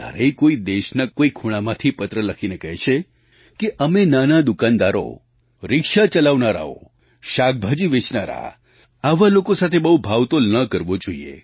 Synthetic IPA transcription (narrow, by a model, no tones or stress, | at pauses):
a̰ɾeikoid̪eʃnakoikʰuɽ̃amãt̪ʰipət̪ɾələkʰinekəɦt͡ʃʰe | keʔəmenanad̪ʊkand̪aɾo̰ | ɾɪkʃat͡ʃəlaʋnaɾa̰o̰ | ʃak̚bʱad͡ʒiʋɪt͡ʃnaɾa̰ | aʋalokosat̪ʰebəɦubʱaʋt̪olnəkəɾʋod͡ʒoḭḛ